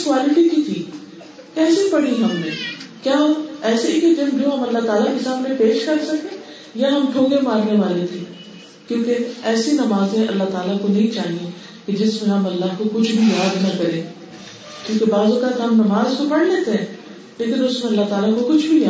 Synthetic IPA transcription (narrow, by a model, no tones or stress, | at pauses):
skwaːlɪʈikit̪ʰiː | kɛːsipɐɽiɦɐmneːkjaːɛːseiked͡ʒ̪ɪnd͡ʒõːɦɐmɐlːaɦt̪aːlakesaːmnepeːʃkɐɾsɐkẽ | jaɦɐmʈʰõːɡemaːɾneʋaːlet̪ʰeː | kjõːkeɛːsinɐmaːzẽʔɐ̰lːaɦt̪aːlakonɐɦĩt͡ʃaːɦiẽ | ked͡ʒɪsmẽɦɐmɐlːaɦkokʊt͡ʃʰbʱijaːd̪nɐkɐɾẽː | kjõːkebaːzʊkət̪ɦɐmnɐmaːzkopɐɽleːt̪eɦɛ̃ː | leːkɪnʊsmẽɐlːaɦt̪aːlakokʊt͡ʃʰbʱijaː